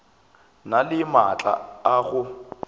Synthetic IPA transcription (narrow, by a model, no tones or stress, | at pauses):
nalɪmat͡ɬʼa̰aɣʊ